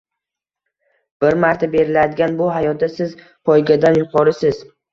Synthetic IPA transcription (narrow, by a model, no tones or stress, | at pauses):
b̥ɪɾmaɾt̪ʰabe̞ɾɪlad̪ɪɡʲanbʊɦajɒt̪̚d̪asɪz | pʰɒjɡʲad̪anjʊqʰɒɾɪsɪz